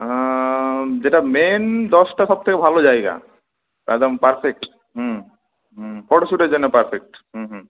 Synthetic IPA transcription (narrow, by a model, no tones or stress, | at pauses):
d͡ʑeʈamend̪ɔsʈaʃɔb̚t̪ʰekebʱalod͡ʑajɡa̰ | a̰d̪ampaɾfʰek̚ʈ | ɦu | fɔʈoʃuʈeɾd͡ʑonːepaɾfek̚ʈɦuɦ